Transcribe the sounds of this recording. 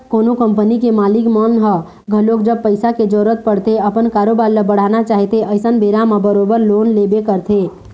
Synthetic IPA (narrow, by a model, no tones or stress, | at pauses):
koːnokəmpənikemaːlikmɔnɦə | ɡʱəlokd͡ʒəb̚pəɪsaked͡ʒɔɾət̪̚pəɽt̪eəpənkaːɾobaɾiləbəɽ̤anat͡ʃaːɦit̪eəɪsənbʱeɾamabəɾobəɾlonlebekəɾt̪ʰe